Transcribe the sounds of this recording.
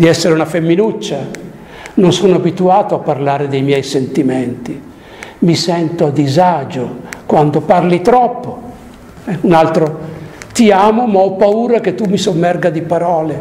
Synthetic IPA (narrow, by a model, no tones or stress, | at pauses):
d̪iɛsːeɾeunafemːinut͡ʃːa | nonsonoabit̪uaːt̪oapːarlaːɾed̪ejmjɛjsent̪iment̪i | misɛnt̪oad̪izaːd͡ʒokwand̪oparlit̪ɾɔpːo | ɛunalt̪ɾot̪iaːmomaɔpːauːɾak̟et̪ːumːisomːɛrɡad̪ipaɾɔːle